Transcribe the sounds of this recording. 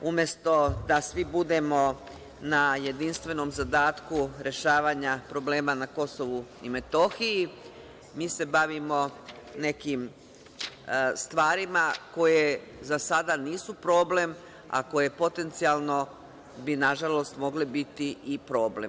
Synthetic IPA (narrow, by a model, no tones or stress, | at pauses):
umje̞st̪o̞d̪asʋibud̪e̞mo̞ | naje̞d̪inst̪ʋe̞no̞mzad̪aːt̪kuɾe̞ʃaːʋaːɲapɾo̞ble̞ːmanako̞so̞ʋuime̞t̪o̞xiji | miːse̞baʋimo̞ne̞kim | st̪ʋaːɾimako̞je̞zasad̪aniːsupɾo̞ːble̞m | a̰ko̞je̞po̞t̪e̞nt̪sialˠno̞ | binaʒalo̞st̪mo̞ɡlebit̪iipɾo̞ːblḛm